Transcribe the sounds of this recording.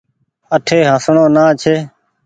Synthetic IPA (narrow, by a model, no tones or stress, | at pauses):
əʈʰeːɦãːsɳõːnãːt͡ʃʰeː